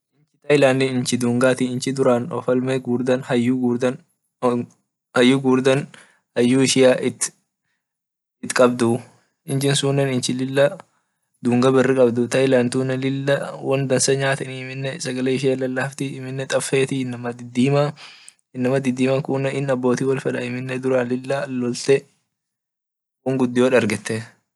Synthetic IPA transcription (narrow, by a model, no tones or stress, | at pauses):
ʔɪnt͡ʃɪt̪ɐjɪlaːnːɪɪnt͡ʃɪd̪uːŋɡaːt̪ɪɪnt͡ʃɪd̪ʊɾaːnɔ̰fɐlmeɡuːɾd̪ɐnhɐjːuːɡuːd̪ɐn | hɐjːuːɡuːɾd̪ɐn | hɐjːuːɪʃɪjaːʔɪt̪ | ɪt̪kʼɐbd̪ʊ | ɪnt͡ʃɪnsuːnːɐnɪnt͡ʃɪlɪlːɐ | d̪uːŋɡɐbɛrːɪkʼɐbd̪ʊt̪ɐɪlaːnt̪uːnɐlɪlːɐwɐnd̪ɐnsɐɲaːt̪ɐniɪmɪnːɛsɐɡɐleːɪʃ̬eːlːɐlːaːft̪ɪɪmɪnːɛt̪ʼɐfːe̞ːt̪ɪɪnːɐmɐd̪ɪd̪ːiːmɐ | ɪnːɐmɐd̪ɪd̪ːiːmɐkuːnɐʔɪnɐbːo̞ːt̪iːwɐlfɐᶑɐɪmɪnːɛd̪ʊɾɐlɪlːalːɔlt̪ɛ | wʊŋɡʊd̪ːɪjoᶑɐɾɡɛt̪ːɛ